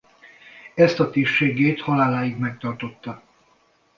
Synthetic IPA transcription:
ɛst̪ɒt̪eːrʃeːɡːeːt̪hɒlaːlaːjiɡmɛk̚t̪ɒrt̪o̞t̪ːɒ

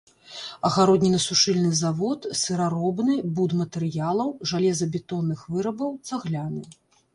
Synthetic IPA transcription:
ɐɣaɾɔd̪ʲnʲinɐsuʂɨlʲnɨzavɔt̪sɨɾaɾɔbnɨbud̪mɐt̪ɛɾɨjalˠɐwʐalʲɛzɐbʲɛt̪ɔnːɨxvɨɾɐbɐwt̪saɣlʲanɨ

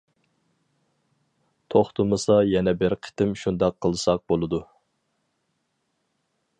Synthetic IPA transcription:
t̪ʰoχt̪ʰumɨsɑjɛnɛbɪɾqʰə̥t̪ɪmʃund̪ɑqʰːəlˠɨsɑq̚bolˠɨd̪u

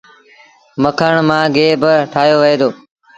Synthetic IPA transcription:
məkʰəɳ̃mãːɡeːbəʈʰaːɦjoːʋəɦeːd̪oː

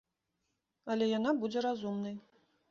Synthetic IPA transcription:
ɐlʲɛjan̪abud͡zʲɛɾazumnɐj

